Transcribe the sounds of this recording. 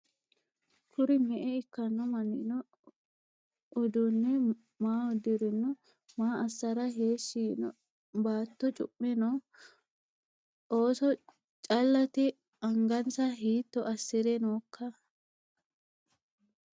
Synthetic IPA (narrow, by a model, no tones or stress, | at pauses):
kʰʊɾɪmɛʔɛɪkːɐnːɔmɐnːɪ̰nɔ | ʔʊd̪ʊnːɛ | maːɔd̪ɪɾɪnːɔ | maːɐsːɐɾɐɦeːʃːiːnɔ̰ | baːt̪ːɔt͡ʃʼʊ̰pʼːɛnɔ | oːsɔ | t͡ʃʼɐlːɐt̪ɛ | ɐŋɡɐnsɐɦiːt̪ːɔʔɐsːɪɾɛnoːkːɐ